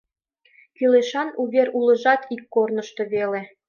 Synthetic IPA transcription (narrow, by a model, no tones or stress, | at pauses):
kileʃɑnuβʲeɾulə̆ʒɑt̪ʰikːornɤ̆ʃt̪ŏβele